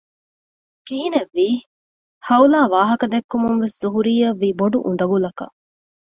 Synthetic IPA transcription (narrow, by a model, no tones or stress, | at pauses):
kiɦineʋːiː | hɐulaːʋaːɦɐkɐd̪ekːumuŋʋeszuɦuɾiːɐʋːiːboɖuʔund̪ɐɡulɐkɐ̰